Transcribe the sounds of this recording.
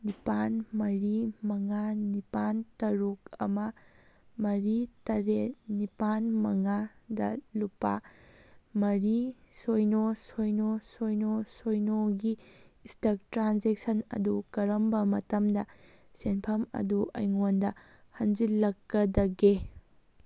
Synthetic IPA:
nipanmɐɾimɐŋanipantɐɾukɐ̰mɐ | mɐɾitɐɾenipanmɐŋadɐ̰lupːa̰ | mɐɾisojnosojnosojnosojnoɡiːstɐk̚tɾanzek̚sɐnɐ̰dukɐɾɐmbɐmɐtɐmdɐ | senpʰɐmɐ̰duʔɐ̰jŋondɐ | hɐnd͡ʒilɐkːɐdɐɡe

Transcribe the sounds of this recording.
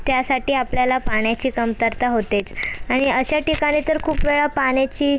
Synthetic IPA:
t̪jasaʈiːapljalapaɳjat͡ɕiːkəmt̪əɾt̪aɦot̪et͡saɽ̃iəɕaʈikaɽ̃it̪əɾkʰuːpʋeɭapaɳjat͡ɕiː

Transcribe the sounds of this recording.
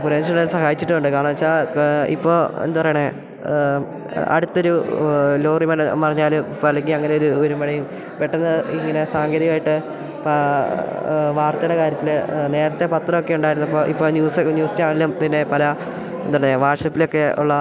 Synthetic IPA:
puɾenʂɐnːɐðsɐɦaːjit͡ɕːiʈːɨuɳɖɨkaːɳɐɐt͡ɕːaːḭpːo̞ːḛnd̪upɐrɐjɳe | ɐ̰ɽut̪ːo̞ɾuloːrimɐnɐpɐrɐɲːaːlumpɐlɐŋiɐŋːɐneo̞ɾuoɾumɐɽɐjum | peʈːunːɐiŋːɐne̞saːŋɡɐɾjɐmaːjiʈːɨ | p | ʋaːrt̪ɐjuɽekaːɾjɐt̪ːilne̞ːɾɐt̪ːe̞pɐt̪ːrɐmo̞kːe̞uɳɖaːjiɾunːɐpːo̞ːʔipːo̞ːnjuːsɲjuːsteaːɳelːumpinːe̞pɐlɐ | end̪upɐrɐɲːeʋaːʈsɐpːilo̞kːe̞ṵɭːɐ

